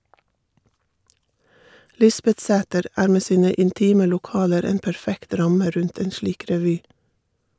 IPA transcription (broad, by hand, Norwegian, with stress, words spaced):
ˈlɪsbɛtˌsæːtəɾ ˈæːɾ ˈmeː ˈsiːnə ɪnˈtiːmə lʊˈkɑːləɾ ˈeːn pæɹˈfɛkt ˈɾɑmə ˈɾʉnt ˈeːn ˈʃliːk ɾɛˈʋyː